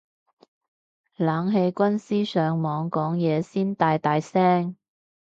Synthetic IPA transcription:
laː˨˧ŋɦe˧jkʷɐ˥nsiː˥sœː˨˧ŋmɔː˨˧ŋkɔː˨˥ŋjɛː˨˧siː˥nt̪aː˧jt̪aː˧jsɛː˥ŋ

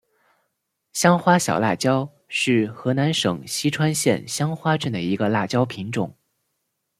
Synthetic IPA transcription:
ɕjɑ˥ŋxwa˥ɕjɑ˨˩ʊla̰˥˩t͡ɕjɑ˥ʊ | ʂɻ̩˥˩xɤ˧˥na˧˥nʂɤ˨˩ŋɕi˥ʈ͡ʂʰwa˥nɕjɛ̰˥˩nɕjɑ˥ŋxwa˥ʈ͡ʂɤ˥˩nd̪ə˩i˧˥ɡə˧la˥˩t͡ɕjɑ˥ʊpʰi˧˥ŋʈ͡ʂʊ̰˨˩˦ŋ

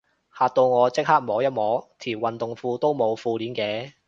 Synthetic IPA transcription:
haː˨t̚t̪o˧wŋɔː˨˧t͡sɪ˥k̚haː˥k̚mɔː˨˥wjɐ˥t̚mɔː˨˥t̪ʰiː˨˩wwɐ˨nt̪ʊ˨ŋfuː˧t̪o˥wmo˨˧wfuː˧liː˨˥nkɛː˨˧

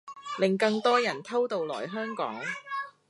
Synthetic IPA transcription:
lɪ˨ŋkɐ˧ŋt̪ɔː˥jɐ˨˩nt̪ʰɐ˥wt̪o˨wlɔː˨˩jɦœː˥ŋkɔ̰ː˨˥ŋ

